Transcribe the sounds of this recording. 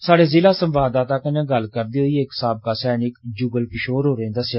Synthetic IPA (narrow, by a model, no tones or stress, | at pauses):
saːɽeːzɪlaːsəmʋaːd̪ãːt̪akənãːɡəlkəɾd̪iːɦoiːeːksaːb̚kaːsɛːnɪkd͡ʒuːɡəlkɪʃoːɾɦoːɾẽːd̪əsjaː